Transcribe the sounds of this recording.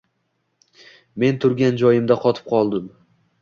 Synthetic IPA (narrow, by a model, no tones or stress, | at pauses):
me̞nt̪ʰʊɾɡʲand͡ʒɒjɪmd̪aqʰɒt̪ʰɪ̥p̚qʰɒlˠd̪ɪm